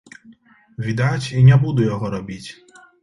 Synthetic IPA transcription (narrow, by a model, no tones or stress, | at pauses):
ʋʲid̪at͡ʃʲinʲɛbud̪ʊjɔɦɔɾɔbʲitʲ